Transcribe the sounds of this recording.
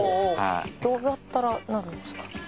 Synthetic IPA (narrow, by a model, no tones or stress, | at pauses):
d̪oːɡat̪ːaɾanaɾɯ̟nd̪oskɑ̥